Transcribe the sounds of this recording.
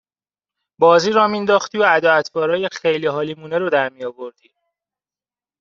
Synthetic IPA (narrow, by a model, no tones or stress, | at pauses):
bɒːziːɾɒːmind̪ɒːxt̪iːoæd̪ɒːæt̪ʰbɒːɾɒːjexejliːɦɒːliːmuːneɾod̪æɾmijɒːvoɾd̪̥iː